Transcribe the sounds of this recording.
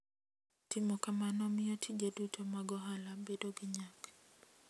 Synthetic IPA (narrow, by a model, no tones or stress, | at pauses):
timɔkamanɔmiɔtʰid͡ʒadutʰɔmaɡɔɦalabedoɡɪɲak